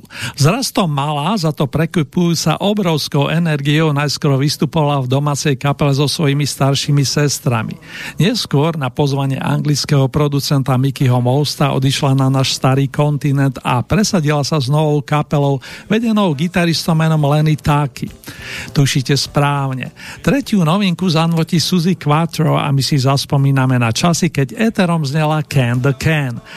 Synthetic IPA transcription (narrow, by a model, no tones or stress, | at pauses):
zɾast̪ɔmalazat̪ɔpɾɛkupujuːt͡sa̰ʔɔbɾɔʊskɔʊʔɛnɛɾɡiɔʊnajskɔɾɔʋist̪upɔʋalavd̪ɔmaːt͡sɛjkapɛlɛzɔsʋɔjimist̪aɾʃimisɛst̪ɾa̰mḭɲɪɛskʊɔɾnapɔzʋaɲɪɛ̰ʔa̰ŋɡlit͡skɛɦɔpɾɔd̪ut͡sɛnt̪amikiɦɔmɔʊst̪aʔɔ̰d̪iʃlananaːʃst̪aɾiːkɔnt̪inɛnd̪a̰pɾɛsaɟilasaznɔʋɔʊkapɛlɔʊʋɛɟɛnɔʊɡit̪aɾist̪ɔʊmɛnɔmlɛnit̪akʰḭt̪uʃiːcɛspɾaːʊɲɛ̰t̪ɾɛcɪunɔʋiŋkuzanʋɔcisuzikʋat̪ɾɔa̰misizaspɔmiːnamɛnat͡ʃasikɛɟɛt̪ɛɾɔmzɲɛlakʰɛnd̪əkʰɛn